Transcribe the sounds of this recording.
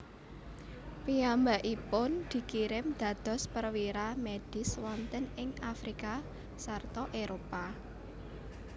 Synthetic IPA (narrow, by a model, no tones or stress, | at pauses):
piambaʔipʊnd̪̥i̤kiɾɪmd̪̥ä̤d̪̥ɔ̤spərwiɾamed̥ɪ̤swɔnt̪ənɪŋafɾika | sart̪ɔʔeɾopa